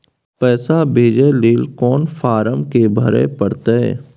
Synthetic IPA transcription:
pɛːsabʱeːd͡ʒeleːlkɔːnfʰaːɾəmkebʱəɾḛpəɽt̪eɛ̰ː

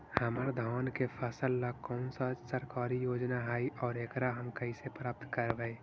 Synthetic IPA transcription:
həməɾd̪ʱɔːnkepʰəsəlːakɔːnsad͡ʒsəɾkaːɾijoːd͡ʒnaɦaːiʔɔːɾeːkɾaɦəmkəisepɾaːp̚t̪ʰkəɾbɛ

